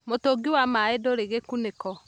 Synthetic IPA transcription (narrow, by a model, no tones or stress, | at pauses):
motoɡiwamaedoɾeɣekunekɔ